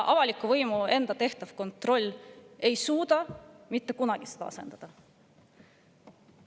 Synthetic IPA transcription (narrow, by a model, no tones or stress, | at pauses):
ʔɑvɑlikːˑuvɤjmue̞nd̪ɑt̪e̞ht̪ɑv̥ko̞nt̪ˑro̞lʲːe̞jsuːd̪ɑmit̪ːe̞kunɑɡ̥ised̪̥ɑ̰ɑ̰se̞̰nd̪̥ɑd̪̥ɑ